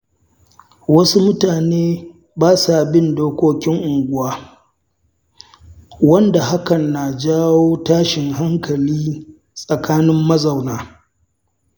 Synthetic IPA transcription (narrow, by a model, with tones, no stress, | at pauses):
wɐ˦su˦mʊ˦taː˨neː˦ | baː˦sa˨bɪ˦ndoː˦kʷoː˦kʲɪ˦ŋʔʊ˨ŋɡʷʊ˦waː˦ | wɐ˦nda˨ha˦kɐ˨nːa˨d͡ʒaː˦woː˦taː˦ʃɪ˨ŋɦa˦ŋkɐ˨liː˦ | sʼɐ˨kaː˦nɪ˦mːɐ˦za˨wnaː˦